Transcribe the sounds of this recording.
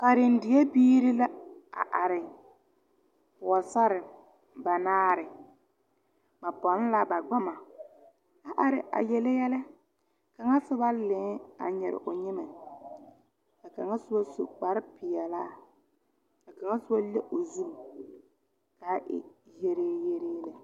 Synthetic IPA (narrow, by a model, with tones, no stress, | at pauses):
ka˨ɾɪ˨n˦dɪ˨jɛ˦biː˦ɾi˦la˦a̰˨ʔa˨ɾɪ˨ | pʊ˨a˨sa˦ɾɪ˨ | ba˨naː˦ɾɪ˨ | ma˨pɔ˨˦n˦la˦ba˨ɡ͡ba˦ma˨ | a˨ʔa˨ɾɪ̰˨ʔa̰˨jɛ˨lɛ˦jɛ˦lɪ˦ | ka˨ŋa˦sʊ˦ba˦lɪ̃˨˦a̰˨ɲɛ˨ɾɪ̰˨ʔʊ˨ɲɪ˦mɛ˨ | ka˨ka˨ŋa˦sʊ˦ba˦so̰˨k͡pa˨ɾɪ˦pɪ˨jɛ˨la˦˨ | ka˨ka˨ŋa˦sʊ˦ba˦le˦ʔʊ˨zu˦ŋ˨ | kaː˨˦ʔɪ̰˦je˦ɾeː˦je˦ɾeː˦lɛ˦